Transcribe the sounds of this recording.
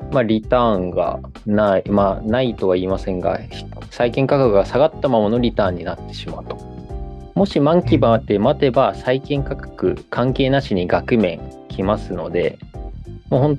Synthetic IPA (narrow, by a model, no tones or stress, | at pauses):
maɾʲit̪ãːŋɡa̰ | naimanait̪o̞β̞aiːmasẽ̞ŋɡa̰çi̥ | saikẽ̞ŋkakakɯ̟ɡasaɡat̪ːamamono̞ɾʲit̪ãːɲ̟ːinat̪ːe̞̥ɕimaɯ̟t̪o̥ | mo̞ɕimãŋkʲibat̪e̞mat̪e̞basaikẽ̞ŋkakḁkɯ̟̰kʰãŋke̞ːnaɕiɲ̟iɡakɯ̟mẽ̞ŋkʲʰimasɨno̞d̪e̞ | moːhõ̞nt̪